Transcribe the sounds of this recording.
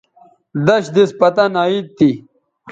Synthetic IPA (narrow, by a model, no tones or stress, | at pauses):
d̪ɐɕd̪ispɐt̪ɐnaitt̪ːi